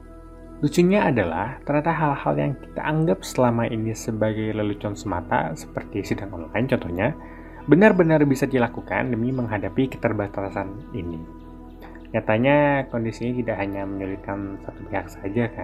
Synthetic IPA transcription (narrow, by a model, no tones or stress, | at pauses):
t̪ut͡ʃuɲaːdala̰ht̪əɾadaɦalha̰ljaŋki̥t̪a̰ʔaŋɡap̚səlamaʔinisəbaɡajləlut͡ʃɔnsəma̰t̪a̰sə̥pərt̪isidaŋɔnlaɪnt͡ʃɔnt̪ɔhɲa | bənarbənarbisadilakuka̰ndəmiməŋɦadapikə̥t̪ərbast̪alasan | ini | ɲat̪aɲakɔndisiɲat̪idaʔɦaɲaməɲulit̪̚kansat̪upehaksad͡ʒaka